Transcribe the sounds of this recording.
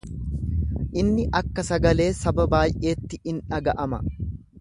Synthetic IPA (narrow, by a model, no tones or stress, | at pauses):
ʔɪnːɪʔɐkːɐsɐɡɐle̞ːsɐbɐbaːjʔe̞ːt̪ːɪʔɪnᶑɐɡɐʔɐmɐ̰